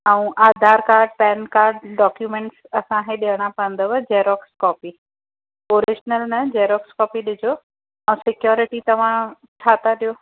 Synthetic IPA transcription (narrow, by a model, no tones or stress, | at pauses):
ɛ̃ũʔaːd̪ʱaːɾkaːɾɖ̚pɛːnkaːɾɖɖɔːkjuːmẽːɳʈsɐsãkeɗiɦəɽ̃ãpɐə̃nd̪əʋɐd͡ʑeːɾɔːkskɔːpi | oːɾɪʃnəlnɐd͡ʑeːɾɔːkskɔːpiɗɪd͡ʑʱo | ɛ̃ũsɪkjɔːɾɪʈit̪ɐʋ̤ã | t͡ɕʰaːt̪aɗijoː